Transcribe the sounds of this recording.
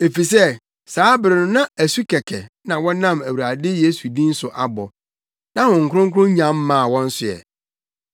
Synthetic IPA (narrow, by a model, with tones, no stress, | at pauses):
e˨fi˨s̬ɛ˦ | saː˨˦bɪ˨ɾɪ˨nʊ̃˨nã˦æ˨su˦kʰɛ˨kʰɛ˨ | nã˨wɔ̃˦nã˦˨mæ˨wu˨ɾa˨dɪ˦je˦su˨dĩ˦n̩˦sʊ˨ʔa˨bɔ˨ | nã˦wɔ̃˨ŋ̩˨kʰʊ˦ʊ̃˦ŋ˦kʰʊ˦ʊ̃˦ɲã˨˦mː˦ãː˨wɔ̃˦n̩˦sʊ˨ɛ̰˨